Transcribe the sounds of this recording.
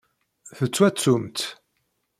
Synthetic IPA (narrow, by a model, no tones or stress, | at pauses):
θət͡sːwæt͡sːumt̪